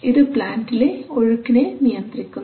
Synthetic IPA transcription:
iðɨpɭaːndileoɻukːinenijɐnt̪rikʲːu

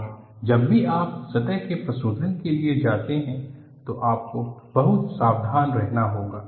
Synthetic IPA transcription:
d͡ʒɐbːʱiaːpsɐt̪ɛɦkepɾɐsuːd̪ʱənkelied͡ʒaːt̪eɦɛ̃ | t̪oʔaːp̚kob̥ɐɦʊt̪saːbd̪ʱaːnɾɛɦnaɦoːɡaː

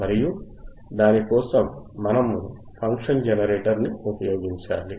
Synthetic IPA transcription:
mɐɾiju | d̪aːnikɔːsɐmːɐnɐmu | pʰɐŋkʂɐnd͡ʒɛnɐɾeːʈɐɾniupɐjoːɡiɲt͡ʃaːli

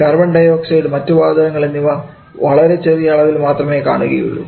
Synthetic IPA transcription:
kɐrbɐɳɖɐjoːksɐjɽɨmɐtːuʋaːd̪ɐɣɐŋːɐɭenːiʋɐ | ʋɐɭɐɾe̞t͡ɕerijɐɭɐʋilmaːt̪rɐme̞ːka̰ːɳuɣɐ̰jṵɭːṵ

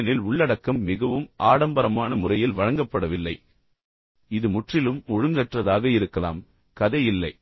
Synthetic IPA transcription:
nɪlʊɭːɐɽɐkːɐmːɪɣɐʋɯmʔaːɽɐmbɐɾɐmaːnɐmʊrɐjɪlʋɐɻɐŋɡɐpːɐɽɐʋɪlːɐɪ | ɪðɯmʊʈrɪlɯmɔɻɯŋɡɐʈrɐðaːɣɐɪɾɯkːɐla̰ːm | kɐðɐjɪlːɐɪ

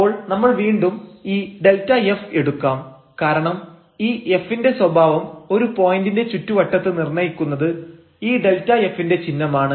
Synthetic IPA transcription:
o̞ːɭnɐmːɐɭʋiːɳɖumiːɖ̪e̞ltːɐjefe̞ɽukːaːm | kaːɾɐɳɐm | iːe̞fːinde̞swɐbʱaːʋɐmo̞ɾupo̞ːjindinde̞t͡ɕutːuʋɐʈːɐt̪ːɨnirɳɐjikʲːunːɐðɨ | iːd̪e̞ltːɐefːinde̞t͡ɕinːɐmaːɳɨ

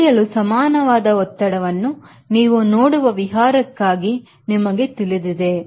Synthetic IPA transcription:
jɐlusɐmaːnɐʋaːd̪ɐɔt̪ːɐɽɐʋɐnːu | niːʋunoːɽuʋɐʋiɦaːɾɐkːaːɡi | nimɐɡe̞t̪ilid̪id̪e̞

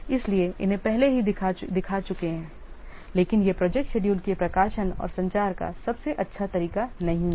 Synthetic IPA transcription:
ɪslieʔɪ̰nɦẽpɛɦleɦiad̪ɪkʰat͡ʃʊkeɦɛ̃ː | leːkɪnjepɾɔd͡ʒek̚ʈʃeːɖiuːlkepɾɐkaːʃənɔ̰ːɾsɐ̃ɲt͡ʃaːɾka̰sɐbseʔɐtːʃʰat̪ɐɾiːkanɐɦĩ

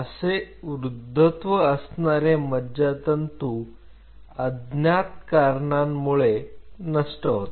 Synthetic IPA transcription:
əseʋɾud̪ʱːət̪ʋəəsnaɾemədd͡ʑat̪ənt̪u | əd̪njat̪kaɾɳamːuɭenəsʈəɦot̪

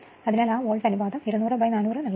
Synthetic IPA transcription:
ɐðinaːlaːʋoːlsɐnubaːðɐmiɾɐnuːrɨbɐjnaːnuːrɨnɐɭː

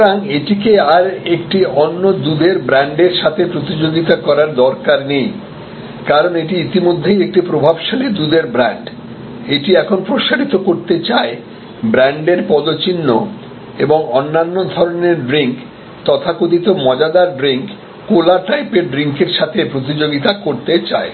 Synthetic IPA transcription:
ɾaŋeʈikeaɾekʈionːod̪ud̪eɾbɾaɳɖeɾʃat̪ʰepɾot̪id͡ʑoɡit̪akɔɾaɾd̪ɔɾkaɾnej | kaɾoneʈiit̪imod̪ʱːejek̚ʈipɾobʱabʃalid̪ud̪eɾbɾaɳɖ | eʈiɛkʰonpɾoʃaɾit̪okoɾt̪et͡ɕae | bɾaɳɖeɾpɔd̪ot͡ɕinːo | eboŋɔnːanːod̪ʱɔɾoneɾɖɾiŋk | t̪ɔt̪ʰakod̪it̪omɔd͡ʑad̪aɾɖɾiŋkː | olaʈajpeɾɖɾiŋkeɾʃat̪ʰepɾot̪id͡ʑoɡit̪akoɾt̪et͡ɕa̰e

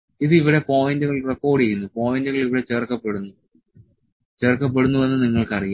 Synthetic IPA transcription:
iðɨiʋiɽe̞po̞ːjindɨɣɐɭrekːo̞ːɖijɾunːupo̞ːjindɨɣɐɭiʋiɽe̞t͡ɕeːrkːɐpːeɽunːu | t͡ɕe̞ːrkːɐp̬ːe̞ɽunːuʋe̞nːɨniŋːɐɭkɐriju

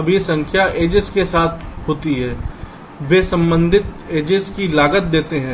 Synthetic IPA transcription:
ɐbʱesɐ̃ŋkʰjaʔeːd͡ʒeskesaːt̪ʰɦoːt̪iɦɛː | beːsɐ̃mbə̃nd̪ʱɪt̪̚ | eːd͡ʒeskilaːɡət̪̚d̪eːt̪eɦɛ̃ː

